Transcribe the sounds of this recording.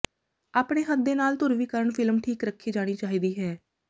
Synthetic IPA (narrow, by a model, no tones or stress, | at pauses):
aːpɽeːɦəd̪ːeːnaːlt̪ʊɾʋiːkəɾəɳpʰɪlmʈʰiːkɾəkʰːiːd͡ʒaːɽ̃iːt͡ʃaːɦiːd̪iːɦɛː